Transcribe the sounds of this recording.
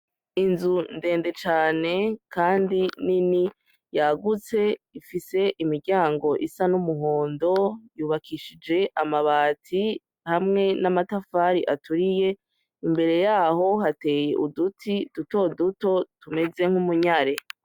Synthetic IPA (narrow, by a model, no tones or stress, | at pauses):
inzunde̞ːnde̞t͡ʃaːne̞kaːndinini | jaɡut͡se̞ifise̞ʔimiɾɟaːŋɡo̞ʔisanumuɦo̞ːndo̞juːβakʰiʃid͡ʒe̞ʔamaβaːtʰi | hamŋe̞namatafaɾiʔatuɾije̞ | imbe̞ɾe̞jaːɦo̞hate̞jḛʔudutʰid̥uto̞duto̞tume̞ze̞ŋ̥humuɲaɾe̞